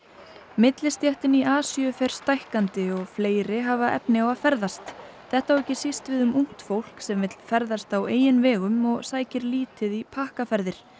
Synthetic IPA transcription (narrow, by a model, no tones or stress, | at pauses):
mɪt̪lɪst̪jaht̪ɪniʔaːsjʏfɛɾ̥st̪ajhkant̪ɪɔɣfleːjɾɪɦavaʔɛ̰pnɪawaðfɛɾðast̪ | θɛht̪awɛhcːɪsist̪vɪðʏmʔuŋ̥t̪fowl̥ksɛmvɪt̪l̥fɛɾðast̪aweːjɪnvɛːɣʏmɔɣsaːjcɪɾliːt̪ɪðipʰahkafɛɾðɪɾ̥